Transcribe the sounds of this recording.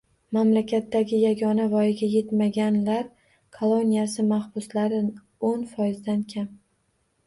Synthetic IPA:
mamlakʲʰat̪ːaɡʲɪjaɡʲɒnavɒjɪɡʲaje̞t̪maɡʲanlaɾ | kʰolˠonijasɪmahb̥ʊslaɾɪ | onfɒjɪzd̪ankʲʰam

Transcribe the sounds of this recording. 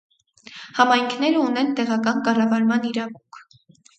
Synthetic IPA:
hɑmɑjŋkʰnɛɾəunɛnt̪ɛʁɑkɑnkɑrɑvɑɾmɑniɾɑvuŋkʰ

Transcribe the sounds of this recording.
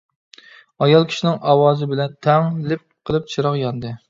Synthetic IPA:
ɑjɑlˠkʲʰi̥ʃinɪŋʔɑwɑːzɨbɪlɛnt̪ʰɛŋlɪp̚qʰəlˠɨp̚t͡ʃʰiɾɑqjɑnd̪ɨ

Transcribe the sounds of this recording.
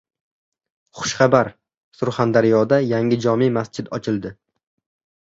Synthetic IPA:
χʊ̥ʃχɑbaɾ | sʊɾχand̪aɾɪjɒd̪ajaŋɪd͡ʒɒmimast͡ʃʰɪd̪ɒt͡ʃʰɪlˠd̪ɪ

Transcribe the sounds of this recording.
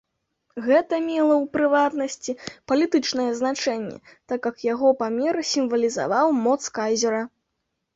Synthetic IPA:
ɣɛt̪ɐmʲɛlˠɐwpɾɨvat̪nɐsʲt͡sʲipɐlʲit̪ɨt͡ʂnɐjɛznat͡ʂɛnʲːɛ̰ | t̪akjɐkjaɣɔpamʲɛɾɨsʲimvɐlʲiza̰vawmɔt̪skazʲɛɾɐ

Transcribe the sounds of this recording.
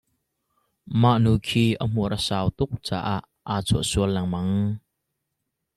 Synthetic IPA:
maʔnuːkʰiːʔəm̥uəɾəsaːwt̪ʊk̚t͡sa̰ːʔaʔ | aːt͡sʰuəʔsuəlːɐŋmɐŋ

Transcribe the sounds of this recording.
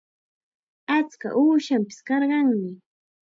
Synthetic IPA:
at͡ska̰ʔuːʃampɪ̥skɑɾɢɑŋmɪ

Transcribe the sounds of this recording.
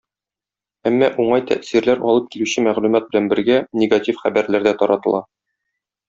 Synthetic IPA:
æmːɒʔuɴɑjt̪ʰæ̰ʔsiɾlæɾɒlˠɤp̚kilʉɕɘmæʁlʉmæt̪̚bɘ̆lænbɘ̆ɾɡænʲɪɡatʲifχæbæɾlæɾd̪æt̪ɒɾɑt̪ɤ̆lˠɑ

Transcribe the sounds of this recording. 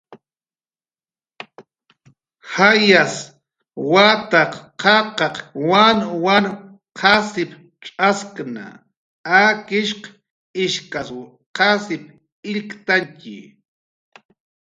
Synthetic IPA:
hajas | wat̪ɑqqɑqɑqwanwan | qʰɑsɪp | ʈ͡ʂʼaskna̰ | akɪʃq | ɪʃkas | qasɪp | ɪʎkt̪aŋkɪ̰

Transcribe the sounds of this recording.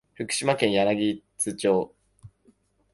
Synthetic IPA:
ɸɯ̟kɯ̟̥ɕimakẽ̞ɰ̃janaɡʲit͡sɨt͡ɕo̞ː

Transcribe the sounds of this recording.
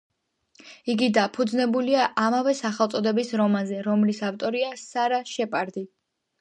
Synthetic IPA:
iɡid̪apʰud̪znɛbuliaʔamavɛsaχɛlˠt̪sʼɔd̪ɛbisɾɔmanzɛɾɔmlisaft̪ʼɔɾiasaɾaʃɛpʼaɾd̪i

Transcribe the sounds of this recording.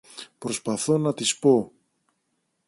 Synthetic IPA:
pɾo̞spɐθo̞nɐt̪ispo̞

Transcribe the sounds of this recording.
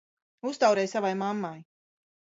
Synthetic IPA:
ust̪awɾɛjsavajmamːaj

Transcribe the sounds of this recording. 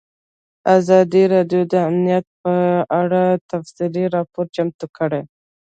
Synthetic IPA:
azɑd̪iɾɑɖjod̪əamnijat̪̚pəaɽat̪afsiliɾɑpoɾt͡ʃamt̪ukəɽe

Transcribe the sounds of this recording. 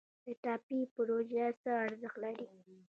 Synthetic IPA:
d̪̥əʈɑpipɾoʒesəaɾzəxt̪laɾi

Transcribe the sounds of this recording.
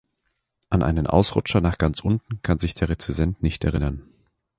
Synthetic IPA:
ʔanʔa̰ɪnənʔa̰ʊsʁ̥ʊt͡ʃɐnaːχɡ̥ant͡sʔʊntn̩kʰanzɪçd̥eːʁet͡sizɛntnɪçtɛ̰ɐʁɪnɐn

